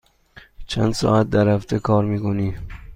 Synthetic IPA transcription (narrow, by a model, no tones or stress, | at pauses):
t͡ʃʰænd̪sɒ̰ːæt̪̚d̪æɾhæft̪ʰekʰɒːɾmiːkoniː